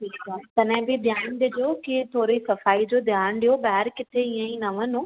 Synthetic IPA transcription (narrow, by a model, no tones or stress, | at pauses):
ʈʰiːkaːt̪ɐnɪ̃bɪd̪ʱjaːnɗ̪ɪd͡ʑokɪt̪ʰoːɾisɐfaːid͡ʑoːd̪ʱjaːnɗijobaːɦɛɾkɪt̪ʰeiə̃ĩnɐʋənʊ